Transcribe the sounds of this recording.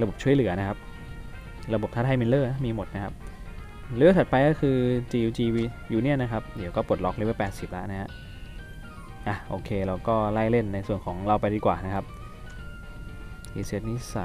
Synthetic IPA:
ɾa˧bo˨˩p̚t͡ɕʰu˥˩əjlɯ˨˩˦ɐna˦˥kʰa˦˥p̚ | ɾa˧bo˨˩p̚t̪ʰa˥˩tʰa˧jmi˧nlɤː˥˩na˥miː˧mo˨˩t̪̚na˦˥kʰa˦˥p̚ | lɯː˦˥˩sʰa˨˩t̪̚pa˧jkɔː˥˩kʰɯː˧t͡ɕiː˧ʔuː˧t͡ɕiː˧wiː˧ | juː˧ni˥˩ɐna˦˥kʰa˦˥p̚di˨˦wkɔː˥˩pu˨˩ə˩t̪̚lɔ˦˥k̚le˧˥˧pɛː˨˩t̪̚si˨˩p̚la̰˦ʔna˦˥ɦɛ˦˥ʔ | ʔa˨˧˩ʔoː˧kʰeː˧ɾa˧wkɔː˥˩la˥˩jle˥˩nːa˧jsu˨˩ənkʰɔː˩˦ŋɾa˧wpa˧jdiː˧kwaː˨˩na˦˥kʰa˦˥p̚ | ʔiː˧siː˧˦˥t̪̚niː˦˥˩sa˨˩

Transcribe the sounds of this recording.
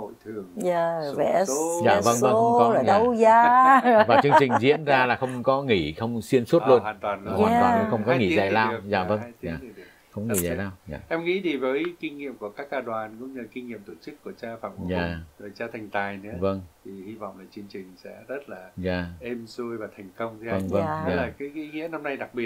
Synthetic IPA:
o̰˧˨jt̪ʰɨ˨˩əŋa˧˨vɛ̰˧˨˥zaː˧˨və˧nvə˧a˧˨zəː˧wzaː˧vaː˨˩t͡ɕɨ˧əŋt͡ɕï˨˩ŋ̟zḭ˧˥ənzaː˧laː˨˩xə˧wŋ͡mkɔ˨˦ŋi˧˩xə˧wŋ͡msi˧ənsu˦˥tlu˧ənaː˨˩nt̪waː˨˩nː˧˨˧waː˨twaː˨nɨ˧˦xə˧wŋ͡mkɔ˨˦ŋi˧˩za̰ː˨˩laː˧zaː˧˩və˧ŋzaː˧˨˩ | xə˧wŋ͡mŋi˧˩˨zaː˨˩laː˧wza̰ː˨˩ʔɛ˧mŋḭ˧˥ɗi˨˩vəː˨˦jkï˧ŋ̟ŋḭ˧˨əmku˧˩əkaː˦˥kːaː˧ɗwaː˨˩nkʊ̰˧˥ŋ͡mɲɨ˧ki˧ŋ̟ŋi˧əmt̪o˧˩t͡ɕɨ˦˥kːu˧˩ət͡ɕaː˧fa̰ː˧˩m˧zaː˨˧˨zoː˨˩jt͡ɕaː˧t̪ʰɛ˨˩jŋ̟t̪aː˨˩jnɨ̰˧˥əvə˧ŋt̪ʰi˨˩hi˧va̰˧˨wŋ͡mlaː˨˩t͡ɕɨ˧əŋt͡ɕï˨˩ŋ̟sɛ̰˧˥zə˦˥t̚laː˨˩zaː˨˩ʔe˧mzu˧jvaː˨˩t̪ʰɛ˨˩jŋ̟kə˧wŋ͡mt̪ʰvə˧ŋvə˧ŋ˧˦aː˨laː˨˩kaː˨˦ji˨˦ŋḭ˧˥əna˧mna˧jɗa˨˩k̚ɓi˨˩ət̚

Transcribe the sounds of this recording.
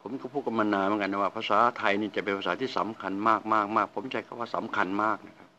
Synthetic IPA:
pʰo˩˦mka˥˩pʰuː˥˩t̪ka˧mːaː˧naː˧nmə˨˦nka˧na˧˩waː˥˩pʰa˧saː˨˩˦t̪ʰa˧jniː˥˩t͡ɕa˨˩ʔpe˧npʰa˧saː˩˦iː˥˩sa̰˩˦mkʰa˧nmaː˥˩k̚maː˥˩k̚maː˥˩k̚pʰo˩˦mt͡ɕʰa˧˩kʰa˧˩waː˥˩sa˨˩˦mkʰa˧nmaː˥˩k̚na˦˥˩kʰa˦˥p̚

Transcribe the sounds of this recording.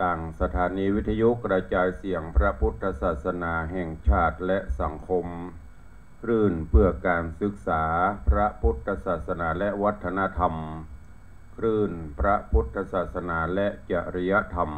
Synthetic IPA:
t̪aː˨˩ŋsa˧t̪ʰaː˩˦niː˧wi˦˥t̪ʰːa˧ju˦˥ʔkɾa˧t͡ɕaː˧jsi˩˦əŋpʰɾa˦˥pʰu˦˥t̪ʰːa˧t̚saː˨˩t̪̚sa˧naː˧ɦɛː˨˩ŋt͡ɕʰaː˥˩t̪̚lɛ˦˥ʔsa˩˦ŋkʰo˧m | kʰɾɯː˧˩npʰɯ˧˩ɐkaː˨˧nsɯ˧˥k̚saː˩˦pʰɾa˦˥pʰu˦˥t̪ʰːa˧saː˨˩t̪̚sa˧naː˨˦lɛ˦˥ʔʋa˦˥t̪ʰːa˧na˧˥t̪ʰa˧m | kʰɾɯː˧˩npʰɾa˦˥pʰu˦˥t̪ʰːa˧saː˨˩t̪̚sa˧naː˧lɛ˦˥ʔt͡ɕa˧ʔɾi˧ja˧˥t̪ʰa˧m

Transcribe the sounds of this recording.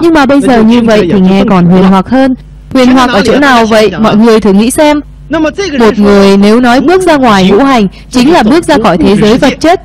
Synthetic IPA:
ɲɨ˧ŋmaː˨˩ɓə˧jzəː˨˩ɲɨ˧və̰˧˨jt̪ʰi˨˩ŋɛ˨˩kɔ˨˩nɦwi˨˩ənɦwaː˨˩k̚həː˧n | hwi˨˩ənɦwaː˨˩k̚ʔəː˧˩t͡ɕo̰˧˥naː˨˩wvə̰˧˨jmɔ̰˧˨jŋɨ˨˩əjt̪ʰɨ˨˩ŋḭ˧˥sɛ˧m˩ | mo˨˩t̚ŋɨ˨˩əjne˨˦wnɔ˨˦jɓɨ˦˥ək̚zaː˧ŋwaː˨˩jŋṵ˧˥ɦa˨˩jŋ̟ | t͡ɕï˨˦ŋ̟laː˨˩ɓɨ˦˥ək̚zaː˧xɔ˧˩jt̪ʰe˨˦zəː˨˦jvə˨˩t̚t͡ɕe˦˥t̚

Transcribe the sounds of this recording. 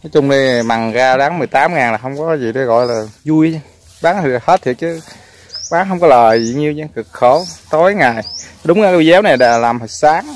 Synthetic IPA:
nɔ˨˦˥t͡ɕʊ˧ŋ͡mɗi˧˨ma˨˩ŋzaː˧ɗaː˨˦ŋmɨ˨əjt̪aː˨˦mŋaː˨˩ŋlaː˨˩hə˧wŋ͡mkɔ˨˦kːzi˨˩ɗi˧ɣɔ̰˧˨jlaː˨˩zu˧əj | ɓaː˨˦ŋt̪ʰi˨˩˨he˦˥t̪̚ʰt͡ɕɨ˨˦ | ɓaː˨˦ŋɦə˧wŋ͡mkɔ˨˦ləː˨˩jzḭ˧˨ɲi˧wɲa˧kɨ˨˩k̚xo˧˩˦wt̪o˨˦jŋaː˨˩jɗʊ˨˦ŋ͡mŋaː˨˧˩ki˧zɛ˨˦wna˨˩jɗa̰ː˧˩laː˨˩mhə˨˩saː˨˦ŋ

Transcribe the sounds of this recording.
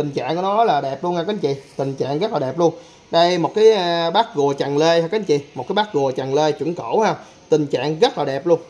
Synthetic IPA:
t̪ï˨˩ŋ̟t͡ɕa̰ː˧˨ŋkɔ˨˦nɔ˨˦jlaː˨˩ɗɛ˨˩p̚lu˧ənaː˧˩ka˨˦t͡ɕḭ˧˨t̪ï˨˩ŋ̟t͡ɕa̰ː˧˨ŋɣə˦˥t̚laː˨˩ɛ˨˩p̚lu˧ən | ɗə˧jmo˨˩t̚kaː˨˦jɓaː˦˥k̚ɣu˨˩ət͡ɕa˨˩ŋle˧ha˧ka˨˦t͡ɕḭ˧˨mo˨˩t̚kːaː˨˦ɓa˦˥k̚ɣu˨˩ət͡ɕa˨˩ŋle˧t͡ɕṵ˧˩˦ŋkə̰˧˥˨whaː˧ | t̪ï˨˩ŋ̟t͡ɕa̰ː˧˨ŋɣə˦˥t̚laː˨˩ɗɛ˨˩p̚lu˧ən

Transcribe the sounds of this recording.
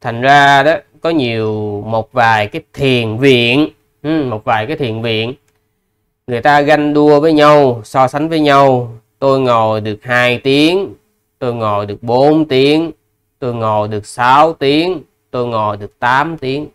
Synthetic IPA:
t̪ʰa˨˩jŋ̟zaː˧ɗɔ˨˦ | kɔ˨˦ɲi˨˩əwmo˨˩t̚vaː˨˩jkaː˨˦jt̪ʰi˨˩ənvḭ˧˨ən | hmo˨˩t̚vaː˨˩jkaː˨˦jt̪ʰi˨˩ənvḭ˧˨ən | ŋɨ˨˩əjt̪aː˧ɣa˧jŋɗu˧əvəː˨˦jɲa˧wsɔ˧sa˨˦jŋ̟vəː˨˦jɲa˧wt̪o˧jŋo˨˩jɗɨ˨˩ək̚haː˧jt̪i˨˦əŋ | t̪o˧jŋo˨˩jɗɨ˨˩ək̚ɓo˨˦nt̪i˨˦əŋ | t̪o˧jŋo˨˩jɗɨ˨˩ək̚saː˨˦wt̪i˨˦əŋ | t̪o˧jŋɔ˨˩jɗɨ˨˩ək̚t̪aː˨˦mt̪i˨˦əŋ

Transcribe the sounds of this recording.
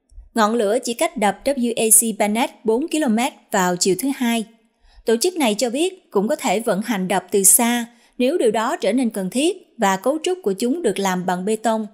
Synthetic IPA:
ŋɔ̰˧˨nlɨ̰˧˥ət͡ɕḭ˧˩ka˦˥jk̟̚ɗə˨˩p̚ɗə˦˥p̚ju˧ʔe˧si˧ɓaː˧nɛ˦˥t̚ɓo˨˦nki˧lo˧mɛ˦˥t̚vaː˨˩wt͡ɕḭ˧˨əwt̪ʰhaː˧j | t̪o˧˩t͡ɕɨ˦˥k̚na˨˩jt͡ɕɔ˧ɓi˦˥ət̚kʊ̰˧˥ŋ͡mkɔ˨˦t̪ʰe˧˩və̰˧˥nɦa˨˩jŋ̟ɗə˨˩wp̚t̪ɨ˨˩saː˧ | ne˨˦wɗi˨˩əwɗɔ˨˦t͡ɕəː˧˩ne˧nkə˨˩nt̪ʰi˦˥ət̚vaː˨˩ko˨˦wt͡ɕʊ˦˥k͡p̚ku˧˩ət͡ɕʊ˨˦ŋ͡mɗɨ˨˩ək̚laː˨˩mɓa˨˩ŋɓe˧t̪ə˧wŋ͡m

